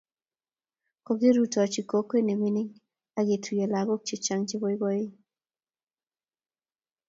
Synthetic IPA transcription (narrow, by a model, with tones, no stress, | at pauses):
ko˨ɡe˦ɾu˦tɔ˨t͡ʃi˨ko˨˦ke˦ne˨mi˦ni˦ŋ | a˨ɡe˨tʰu˨je˨la˨bo˦k̚t͡ʃi˨t͡ʃa˦ŋt͡ʃɪ˦bo˦i˦bɔ˦i˦